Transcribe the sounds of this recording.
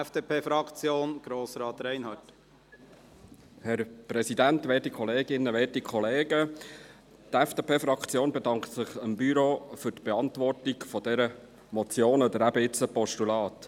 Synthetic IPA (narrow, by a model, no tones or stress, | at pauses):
ɛfd̥eːpʰeːfɾɑkt͡sjoːnɡ̥ɾoːsɾɑːt̪ɾæɪnhɑːt | hɛɾpɾɛsidæntʋɛːtikʰχɔleːɡɪnːəʋɛːtikχɔleːɡə | tɛfd̥eːpeːfɾɑkt͡sjoːnbedɑŋktsɪχəmbyɾofʏtb̥eɑntvɔrtikfɔd̥ɛɾə | mɔt͡sjoːnɔd̪əɾæbəɪt͡səpɔʃtulɑːt̪